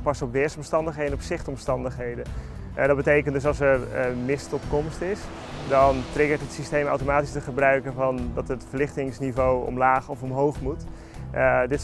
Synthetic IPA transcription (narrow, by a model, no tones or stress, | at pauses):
pɑsɔpʋɪːɹsɔmstɑndəχɦejdənɔpsɪχtɔmstɑndəχɦejdən | dɔt̚bətejkəntdɵs̬ɑlˠsɛɹmɪstɔpkɔmstɪs | dɑntrɪɡəɹtɦətsistejma̰wtomaːtistəχəbrœɥkəvɑndɑtətfərlɪχtɪŋsnivowɔ̰mlaːχɔfɔmɦowχmut | dɪt